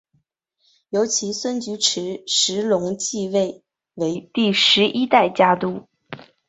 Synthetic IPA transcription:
jo˧˥ʊt͡ɕʰi˧˥swə˥nt͡ɕy˧˥ʈ͡ʂʰɻ̩˧˥ʂɻ̩˧˥lʊ˧˥ŋt͡ɕi˥˧we˥˩ɪ | we˧˥ɪt̪i˥˩ʂɻ̩˧˥ʔi˥t̪a˥˩ɪt͡ɕja˥t̪u˥˩

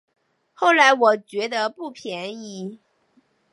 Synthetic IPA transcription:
xo˥˩ʊla˧˥ɪwɔ˨˩t͡ɕɥɛ˧˥d̪ə˧pu˥˩pʰjɛ˧˥ni˧˥

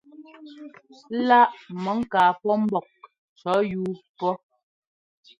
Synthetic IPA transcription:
la˦ʔmə˨˦ŋ̩˦kaː˨pɔ˦m̩˦bɔ˨k̚ | t͡ʃɔ˨˦juː˦pɔ˦

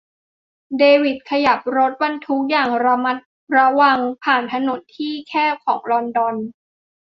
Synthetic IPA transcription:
deː˧wi˨˩t̪̚kʰa˧ja˨˩p̚ɾo˦˥t̪̚wa˧nt̪ʰu˦˥k̚jaː˨˩ŋɾa˧ma˦˥t̪̚ | ɾa˧wa˧ŋpʰaː˨˩nt̪ʰa˧no˩˦nt̪ʰiː˥˩kʰɛː˥˩kʰɔː˩˦ŋlɔ˧ndɔ˧n

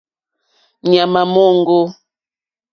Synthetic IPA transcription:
ɲa˨ma˨mɔ˦ŋ˦ɡo˦

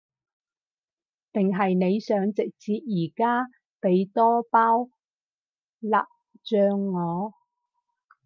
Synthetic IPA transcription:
t̪ɪ˨ŋɦɐ˨jne˨˧jsœː˨˧ŋt͡sɪ˨k̚t͡siː˧t̚jiː˨˩kaː˥ | pe˨˧jt̪ɔː˥paː˥w | la̰ː˨p̚ | t͡ʃœː˧ŋːɔː˨˧

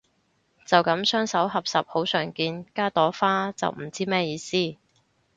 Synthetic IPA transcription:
t͡sɐ˨wkɐ˨˧˥msœː˥ŋsɐ˨˥wɦɐ˨p̚sɐ˨p̚ho˨˥wsœː˨˩ŋkiː˧nkaː˥t̪ɔː˨˥faː˥t͡sɐ̰˨wm̩˨˩t͡siː˥mɛː˥jiː˧siː˥

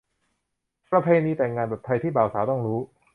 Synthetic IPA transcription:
pɾa˧pʰeː˧niː˧t̪ɛː˨˩ŋːaː˧npa˨˩t̪ʰa˧jt̪ʰiː˥˩baː˨˩wsaː˩˦wt̪ɔ˥˩ŋɾuː˦˥

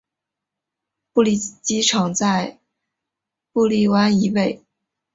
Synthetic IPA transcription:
pu˥˧li˥˩t͡ɕi˥ʈ͡ʂʰɑ˧˥ŋt͡sa˥˧ɪ | pu˥˧li˥˩wa˥ni˧˥we˥˩ɪ

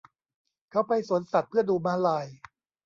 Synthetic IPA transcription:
kʰa˦˥wpa˧jsu˩˦nsa˨˩t̪̚pʰɯ˥˩ɐəduː˧maː˦˥laː˧j

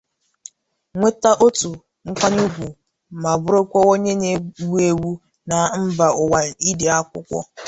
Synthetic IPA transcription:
ŋʷe˦ta˦ʔo˦tu˨ | ŋ̩˦k͡pʷa˦ɲu˦ɡʷu˨ | ma˨bʊ˦ɾo˦kʷɔ˦o˦ɲe˦ne˨wu˦e˦wu˦ | na˨m̩˦ba˨ʊ˨wa˨i˦de˨a˦kʷʊ̰˦kʷɔ̰˦

